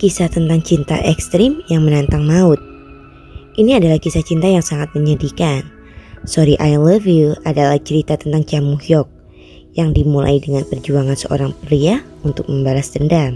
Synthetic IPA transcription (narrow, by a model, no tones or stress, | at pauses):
kisat̪ənt̪aŋt͡ʃint̪a̰ʔɛkst̪ɾɪmjaŋmənant̪aŋnaʊt̪̚ | ʔiniadalahkisat͡ʃint̪ajaŋsaŋat̪̚məɲədikan | soɾiʔajləviladalaht͡ʃəɾit̪at̪ənt̪aŋt͡ʃamuhjɔk̚ | jaŋdimulʔa̰idəŋanpərd͡ʒuaŋansəʔo̰ɾaŋpɾia | unt̪ʊk̚məmbalasd̪əndam